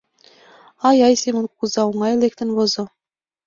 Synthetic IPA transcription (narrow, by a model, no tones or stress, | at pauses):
ɑjɑjsemɤ̆nk̚uzɑwuŋɑelʲek̚t̪ɘ̆nβɤ̆zɤ̆